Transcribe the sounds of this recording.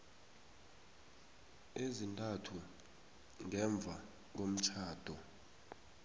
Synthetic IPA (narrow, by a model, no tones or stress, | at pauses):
ezintʼatʰu | ŋɛɱb̪vʱa | k̬om̩t͡ʃʰaːd̥ʱɔ